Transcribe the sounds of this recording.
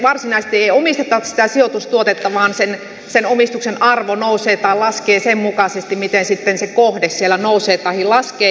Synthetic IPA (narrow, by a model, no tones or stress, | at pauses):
ʋɑrsinɑise̥st̪ieiomist̪et̪ːɑt̪si̥t̪æsiot̪ust̪uot̪et̪ːɑʋɑːnsen | senomist̪uksenʔɑrʋonouseːt̪ɑilɑskeːsemmukɑsest̪imit̪ensit̪ːensekohdessielænouseːt̪ɑihilɑskeː